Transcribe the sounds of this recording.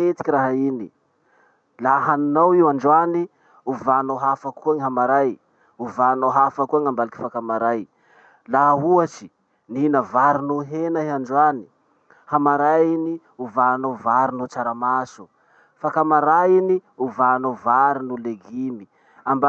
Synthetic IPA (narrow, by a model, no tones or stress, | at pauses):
et̪i̥kʲiraɦaini | laɦanunawiwaɳɖ͡ʐani | uvanawɦafakuaŋiɦamaɾaj | uvanaɦafakuaŋambaliki̥fakamaɾaj | laɦuat͡ʃi̥ | niinəvaɾinuɦenaiaɳɖ͡ʐani̥ | hamaɾaini | uvanavaɾunut͡saɾamasu | fakamaɾainiuvanovaɾinuleɡimi | amba